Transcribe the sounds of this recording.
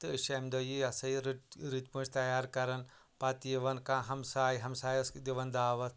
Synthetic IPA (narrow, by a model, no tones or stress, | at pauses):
t̪ɨiʃɐmd̪ojiɐsɐiɾɾit̪pũnt͡ʃt̪ɐjaːɾkɐɾɐn | pat̪ijiʋɐnkãɦɐmsaːjiɦɐmsaːjɐskd̪iʋɐnd̪aːʋɐt̪ʰ